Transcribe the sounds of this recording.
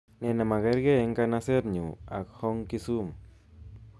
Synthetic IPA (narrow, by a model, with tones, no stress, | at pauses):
nɛ˨na˨ma˨ɡa˦ɾɡe˦e˦ŋka˦na˦se˦ɾɲṵ˨a̰˨khɔ˦ŋki˦su˦m